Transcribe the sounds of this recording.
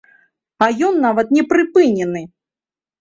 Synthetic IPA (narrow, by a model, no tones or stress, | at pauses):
ajɔnːavɐt̪nʲɛpɾɨpɨnʲɛnɨ